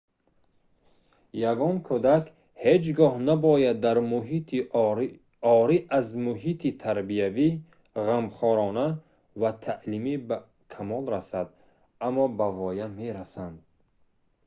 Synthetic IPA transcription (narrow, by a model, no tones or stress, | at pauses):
jaɡɔŋkʰud̪ak | hed͡ʒɡɔhnabɔjad̪ːaɾmuɦii | ɔɾiʔazmuɦit̪ʰit̪ʰaɾbiavi | ʁamχɔɾɔna | vat̪ʰaʔlimiba | kʰamɔlɾasad̪ | amːɔbavɔjameɾasand̪